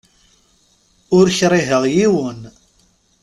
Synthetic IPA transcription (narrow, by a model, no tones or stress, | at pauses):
ʊɾçɾˤiɦəʁjiwən